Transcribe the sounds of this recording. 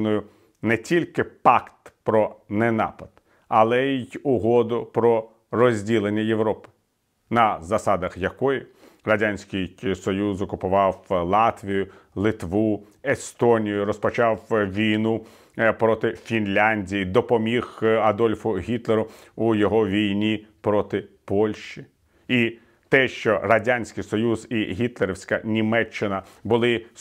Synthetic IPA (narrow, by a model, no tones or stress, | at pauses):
nɔjʊ | nɛtʲilʲkɪpɑkt̪pɾɔnɛnɑ̰pɐd̪̥ | ɐlˠɛjʊɦɔd̪ʊpɾɔ | rɔzʲdʲilˠenʲːɐjewɾɔpɪ̥ | nɐzɐsɑd̪ɐxjɐkɔji | ɾɐdʲanʲsʲkɪjsɔjuzɔkʊpʊʋɑwlˠɑt̪ʋʲijʊ | lˠɪt̪ʋu | est̪ɔnʲijʊɾɔspɔt͡ʃɑwʋʲijnu | pɾɔt̪ɪfʲinlʲanʲdʲijid̪ɔpɔmʲixɐd̪ɔlʲfʊɦʲit̪leɾʊʊjɔɦɔʋʲijnʲipɾɔt̪ɪpɔlʲʃt͡ʃi | i | t̪ɛʃt͡ʃɔrɐdʲanʲsʲkɪjsɔjuziɦʲit̪lˠeɾewsʲkɐnʲimɛt͡ʃːɪnɐbʊlˠɪ